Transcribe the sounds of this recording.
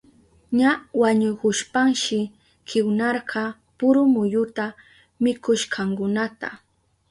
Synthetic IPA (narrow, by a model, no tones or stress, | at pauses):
ɲawaɲʊkʊʃpaŋʃɪ | kʰɪwnɑɾɢɑ | pʊɾʊmʊjʊt̪a | mɪkʊʃqʰɑŋkʊnat̪a